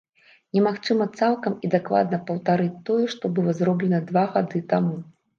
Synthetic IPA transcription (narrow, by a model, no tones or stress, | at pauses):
nʲɛmaxt͡ʂɨmɐt̪salˠkɐmid̪akva̰d̪̚nɐpɐwt̪aɾɨt͡sʲt̪ɔjɛʂt̪ɔbɨlˠɐzɾɔblʲɛnɐd̪vaɣad̪ɨt̪amu